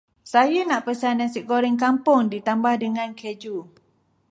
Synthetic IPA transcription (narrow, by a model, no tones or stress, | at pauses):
sajanaʔpəsanansiʔkoɾɪŋkampʊŋdit̪ambahdəŋãnkʰed͡ʒu